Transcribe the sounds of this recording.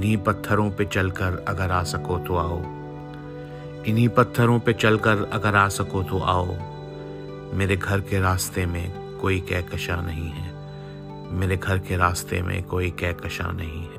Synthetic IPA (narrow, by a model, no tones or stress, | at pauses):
ɪnɦipɐt̪ʰːəɾõpet͡ʃɐlkəɾɐɡəɾaːsɐkot̪oaːo̰ː | ɪnɦĩpɐt̪ʰːəɾõpet͡ʃɐlkəɾɐɡəɾaːsɐkot̪oʔa̰ːoː | meːɾeɡʱɐɾkeɾaːst̪emḛ̃ | koːikɛːkɐʃanɐɦĩɦɛː | meːɾeɡʱɐɾkeɾaːst̪ḛmḛ̃koːikɛːkɐʃa̰nɐɦĩɦɛː